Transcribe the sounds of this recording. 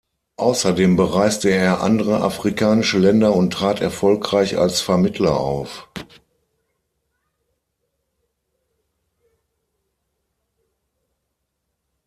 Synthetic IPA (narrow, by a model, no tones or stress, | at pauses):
ʔaʊsɐdeːmbəʁaɪstəeːɐʔa̰ndəʁəʔa̰fʁ̥ikʰaːnɪʃəlɛndɐʊntʁ̥aːtɛɐfɔlkʁ̥aɪça̰lsfɛɐmɪtʰlɐ̰ʔa̰ʊf